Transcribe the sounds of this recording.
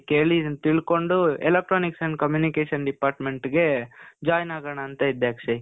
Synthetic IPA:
keːɭit̪iɭko̞ɳɖuɛlek̚ʈɾoːniksɐɳɖ̚kɐmjuːnikeːʃɐnɖipaːɾʈme̞ɳʈɡe̞d͡ʒaːjnaːɡɐɳɐːnt̪ɐid̪ːeːkʂɐi

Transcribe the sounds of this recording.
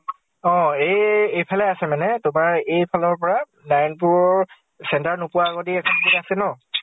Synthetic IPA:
ɔ̃ejejpʰalɛasɛmanɛtʊmaɹejpʰalɔɹpɔɹa | lajnpʊɹ | sɛntaɹnʊpʊaːɡɔdiɛkʰɔnɡɔtasɛnɔ

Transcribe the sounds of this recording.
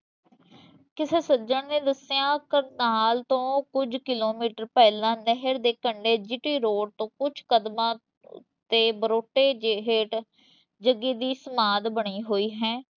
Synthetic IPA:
kɪseːsəd͡ʒəɳneːd̪əsjãːkənaːlt̪õːkʊd͡ʒkɪloːmiːʈəɾpɛːlãːnəɦəɾd̪eːkəɳɖeːd͡ʒɪʈiːɾoːɖ̚t̪õːkʊt͡ʃʰkəd̪mãː | t̪eːbəɾoːʈːeːd͡ʒeɦeʈ | d͡ʒəɡiːd̪iːsəmaːd̪bəɽ̃iːɦoːiːɦɛ̃ː

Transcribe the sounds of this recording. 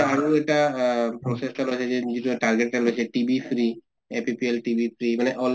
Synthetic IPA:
aɹoɛʈapɹɔsestalojt͡ʃʰɛzɛzituʈaɹɡeʈːalojt͡ɕʰɛʈibʱipʰɹi | epipielʈibʱipʰɹimaneʔɔl

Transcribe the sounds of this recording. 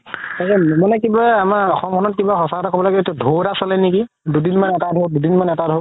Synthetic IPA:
akɛmanɛkibaamaɔxɔmkʰɔnɔt̚kibaxɔsatakʰɔbɔlaɡɛetudʱowɾasɔlɛniki | dudinmanɛtadʱowdudinmanɛtadʱo

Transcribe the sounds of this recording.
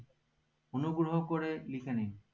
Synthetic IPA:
onuɡɹɔɦɔkɔɹɛlikʰɛne

